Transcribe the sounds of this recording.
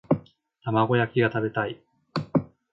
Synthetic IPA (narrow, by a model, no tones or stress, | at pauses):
t̪amaɡo̞jakʲiɡat̪abe̞t̪ai